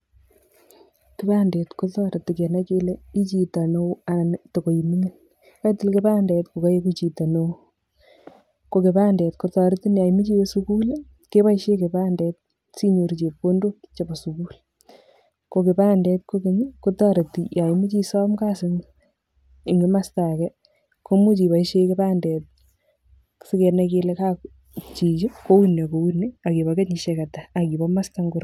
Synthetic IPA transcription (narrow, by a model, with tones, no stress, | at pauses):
ke˦baː˦ndɛ˨tko˦tɔ˦ɾa˨ti˨ke˨na˦t͡ʃe˦le˦i˦t͡ʃi˨ta˨no˦a˨nto˨ko˨jimi˦ŋin | ka˦itɪ˦lke˦paː˦ndɛ˨tko˨ka˦je˦kut͡ʃi˨ta˨no˦ | ko˨ke˨paː˦ndɛ˨tko˦tɔ˨ɾti˦na˨jmi˦t͡ʃi˦we˦suku˦l | ke˦ba˦iʃe˦ke˨paː˦ndɛ˨t̚ | si˦ɲo˨ɾit͡ʃe˨po˦ndo˦t͡ʃe˨ba˨su˨ku˦l | ko˨ke˨paː˦ndɛtkoke˨ɲikotɑ˦ɾe˨ti˨ja˨imi˦t͡ʃi˦sa˦mkasɪŋ | i˨ŋɡɪ˦ma˦stakɛ | ko˦mu˦t͡ʃi˨pa˨iʃeke˦paː˦ndɛt̚ | sɪ˦ke˨nake˦leka˦ | t͡ʃi˨t͡ʃu˦ko˦wuna˨ko˨wunːi˦a˨ki˨bake˦ɲiʃekataː˨ki˨bɔ˦ma˦staŋɡʊ˦ɾ